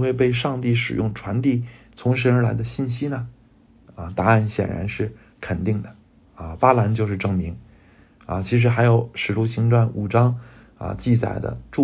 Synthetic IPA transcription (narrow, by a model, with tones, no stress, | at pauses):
xwe˥˧ɪp̬e˥˧ɪʂɑ˥˧ŋt̪i˥˩ʂɻ̩˨˩jʊ˥˩ŋʈ͡ʂʰwa˧˥nt̪i˥˩t͡sʰʊ˧˥ŋʂə˧˥ə˞˧˥la˧˥ɪd̪ə˧ɕi˥˩nɕi˥nə˨ | ə˧t̪a˧˥a˥˩nɕjɛ̰˨˩nɻa̰˧˥nʂɻ̩˥˩ | kʰə˨˩nt̪i˥˩ŋd̪ə˩ | ə˧pa˥la˧˥nt͡ɕjo˥˧ʊʂɻ̩˥˧ʈ͡ʂɤ˥˩ŋmi˧˥ŋ | ə̰˧t͡ɕʰi˧˥ʂ̬ɻ̩˧˥xa˧˥ɪjo˨˩ʊʂɻ̩˨˩ʈ͡ʂu˥˩ɕi˧˥ŋʈ͡ʂwa˥˩nu˨˩ʈ͡ʂɑ˥ŋ | ə̰˧t͡ɕi˥˩t͡sa̰˨˩ɪd̪ə̰˦ʈ͡ʂu˥˧